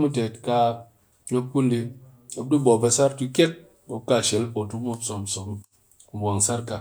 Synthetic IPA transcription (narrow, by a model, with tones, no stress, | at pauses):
mu˦te˨tka˧ | ɲo˦k̚ku˦ndi˧ | a˨du˦bo˨be˧sa˦ɾtu˧kʲe˦k̚ | bo˨ka˦˨ʃe˨lo˨tu˦mo˦so˨mso˨m̩˨ | bwa˨ŋ˨sa˦ɾka˨